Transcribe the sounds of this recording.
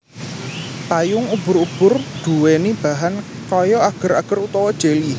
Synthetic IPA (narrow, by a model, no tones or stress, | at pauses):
t̪ajʊŋub̥ʊɾub̥ʊrd̪̥ṳwenib̥a̤ɦan | kɔjɔaɡ̥ə̤ɾaɡ̥əɾut̪ɔwɔd̥ʒ̥e̤li